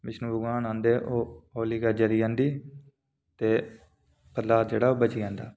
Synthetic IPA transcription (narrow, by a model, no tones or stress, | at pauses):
mɪʃnuːbʊɡãːnãːnd̪eːʔoːoːliːɡəɾd͡ʒəɾiːãːnd̪iː | t̪eː | pəaːt̪d͡ʒeːɽaːoːbət͡ʃiːãːnd̪aː